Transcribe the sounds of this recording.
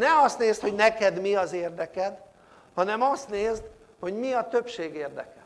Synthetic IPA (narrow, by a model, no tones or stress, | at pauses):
nɛɒst̪neːst̪ho̞ɟnɛkɛd̪miɒzeːrd̪ɛkɛd̪ | hɒnɛmɒst̪neːzt̪ | ho̞ɟmiɒt̪øpʃeːɡeːrd̪ɛ̰kɛ̰l